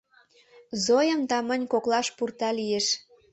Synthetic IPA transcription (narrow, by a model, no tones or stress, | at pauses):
zojəmd̪ɑmənʲkoklɑʃpurt̪ɑlijeʃ